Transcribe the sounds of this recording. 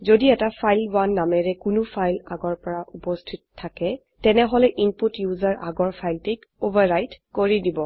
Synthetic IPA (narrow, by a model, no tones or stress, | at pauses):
zodiɛtapʰajlbwanːamɛɹɛkʊnʊpʰajlaɡɔɹpɔɹaʔupɔstʰitɔtʰːakɛ | tɛnɛɦɔlɛʔinputjuzaɹʔaɡɔɹpʰajltik | obaɹɹajtkoɹidibɔ